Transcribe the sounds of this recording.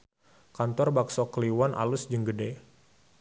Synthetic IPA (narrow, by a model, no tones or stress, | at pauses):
kant̪ɔrbaksɔkəliwanʔa̰lʊsd͡ʒəŋɡədɛ